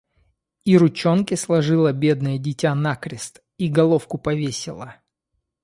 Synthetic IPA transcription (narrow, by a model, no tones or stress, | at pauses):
iɾʊt͡ɕo̞nkʲɪslˠɐʐɨlˠəbʲe̞d̪nɨjədʲɪtʲanakɾʲɪst̪ | iɡɐlˠo̞fkʊpɐvʲesʲɪlˠə